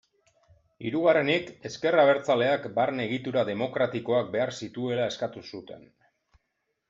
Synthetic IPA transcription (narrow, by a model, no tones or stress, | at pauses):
iɾuɣare̞nike̞ske̞raβ̞e̞ɾt͡sale̞akbaɾne̞ɣ̞it̪uɾaðe̞mo̞kɾat̪iko̞ak̚be̞aɾsit̪ue̞lae̞skat̪usut̪e̞̰n